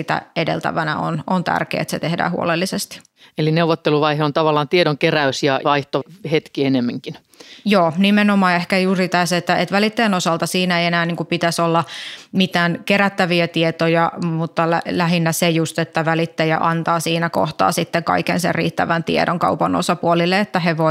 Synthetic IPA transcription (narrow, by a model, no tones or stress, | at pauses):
it̪æ̰edḛlt̪æ̰ʋænæ̰o̰nont̪æ̰rkḛːet̪set̪ehdæ̰ːhṵo̰lelːisest̪i̥ | elineuʋot̪ːeluʋɑiheont̪ɑʋɑlːˑɑːnt̪iedoŋkeræysjɑʋɑiht̪ohet̪kienemːiŋkin | joːnimenomɑːehkæjuːrit̪æset̪ːæet̪ʋælit̪ːeːnosɑlt̪ɑsiːnæeienæːniːŋkupit̪æsolːɑmit̪æːnkeɾæt̪ːæʋiæt̪iet̪ojɑmut̪ːɑlælæɦinːæsejust̪et̪ːæʋælit̪ːejɑ̰ʔɑnt̪ɑːsiːnæko̰ht̪ɑ̰ːsit̪ːeŋkɑ̰ikḛnsḛrrḭːt̪ːæʋænt̪ḭḛɾoŋkɑ̰upɑno̰sɑpuolilːeet̪ːæheʋo